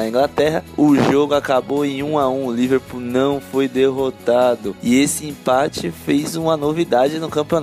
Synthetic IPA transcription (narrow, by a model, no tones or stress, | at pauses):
ɐĩŋɡlat̪ɛɦɐʊʒoɡʊakaboẽj̃ũaũʊliveɾpulnɐ̃w̃fojd̪eɦot̪ad̪ʊɪesɪĩpat͡ʃɪfejzũmɐnovid̪ad͡ʒɪnʊkɐ̃piona